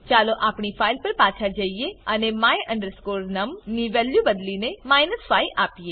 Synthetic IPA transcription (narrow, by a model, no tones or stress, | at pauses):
t͡ʃaːloʔaːpɳ̃ipʰaːjlpəɾpaːt͡ʃʰad͡ʒəijeənemaːjə̃ɳɖəɾskoːɾnəmniʋɛːljubəd̪linemaːɪnəspaːiʔaːpijeː